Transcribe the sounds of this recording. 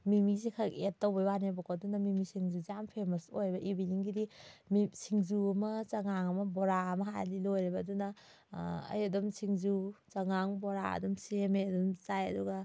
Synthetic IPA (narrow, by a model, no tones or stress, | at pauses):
mimizikʰaketːowbɐjwanebɔkodunɐmimisiŋzuzijampʰemɐsojɾbɐʔibiliŋɡidimisiŋzuɐmɐt͡ʃaŋaŋɐmɐboɾaɐmɐɦajlilojɾibɐːdunɐ | ɐ̰jɐdumsʰiŋzut͡ʃɐŋaŋboɾaɐ̰dumsemejɐdumt͡ʃajɐ̰duɡɐ